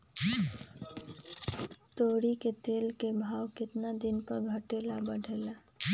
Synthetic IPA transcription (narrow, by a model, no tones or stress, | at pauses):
t̪oːɽiket̪eːlkebʱaːwkɪt̪nad̪ɪnpəɾɡʱəʈeːlabəɽ̤ʱeːlaː